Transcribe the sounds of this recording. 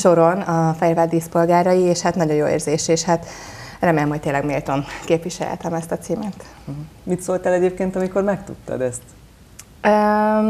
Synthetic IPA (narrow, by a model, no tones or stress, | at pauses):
ʃo̞ɾonɒfɛjvad̪iːspo̞lɡaːɾɒjieːʃhat̪nɒɟo̞njo̰ːḛːrzeːʃeːʃhat̪ | rɛmeːlɛmɦoct̪eːlɛɡmeːlt̪o̞nkeːpʋiʃɛ̰lht̪ɛmɛst̪ɒt̪siːmɛt̪ | mit̪solt̪æːlɛɟeːp̚keːnt̪ɒmiko̞rmɛkt̪ṵt̪ːɒ̰d̪ɛst̪ | ø